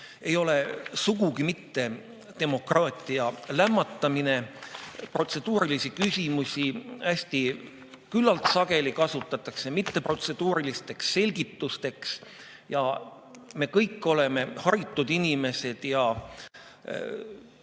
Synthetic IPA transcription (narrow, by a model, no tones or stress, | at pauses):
e̞jo̞le̞suɡuɡimit̪ːe̞ | t̪e̞mo̞krɑːt̪ˑiɑlæmːɑt̪ːɑmine̞pro̞t̪se̞d̪̥uːɾilisikysʲimusʲiæsʲt̪i | kylːɑlt̪sɑɡ̥e̞likɑsut̪ːˑɑt̪ːˑɑkse̞mit̪ːe̞pro̞t̪se̞d̪̥uːɾilist̪e̞ksːe̞lʲɡit̪ːust̪e̞ks | jɑ | me̞ːkɤjkːo̞le̞me̞hɑɾit̪ːˑud̪̥inime̞se̞d̪̥jɑ